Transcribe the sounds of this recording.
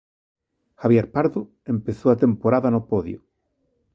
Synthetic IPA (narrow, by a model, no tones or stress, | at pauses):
xaβjeɾpaɾðʊ | empeθowat̪empoɾaðɐnopɔðjʊ